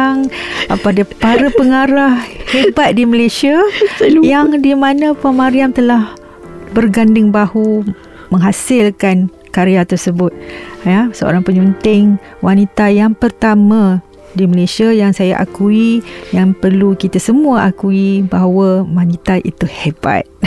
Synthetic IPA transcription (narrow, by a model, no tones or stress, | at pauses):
ŋəpadapaɾapəŋaɾahhebat̪̚diməlesiajaŋdimanə̃pamaɾiamt̪əlah | bərɡandɪŋbahu | məŋɦasɪlkan | kaɾeat̪ərsəbʊt̪̚jasəo̰ɾaŋpəɲunt̪ɪŋ | wʔanit̪ajaŋpərt̪amã | diməlesiajaŋsajaʔakuijaŋpərlukit̪asəmũaʔakuibaɦawəwanit̪aʔḭt̪uheba̰t̪̚